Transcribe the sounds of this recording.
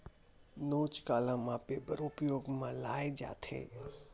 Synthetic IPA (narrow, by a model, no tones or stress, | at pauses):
noːt͡ʃkaːlãːmãpeːbəɾʊpjoːɡmãlaːed͡ʒa̰ːt̪ʰḛː